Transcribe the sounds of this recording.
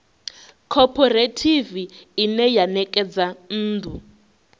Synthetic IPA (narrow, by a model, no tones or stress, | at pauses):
kʰɔpʰɔretʰiviinɛjanɛkʼɛd͡zan̩ːdʱu